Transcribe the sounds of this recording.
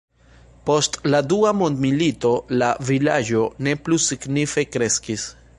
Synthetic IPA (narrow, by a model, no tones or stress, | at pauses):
po̞stladuamo̞ndmilito̞lavilad͡ʒo̞ne̞plusiɡnife̞kɾe̞skis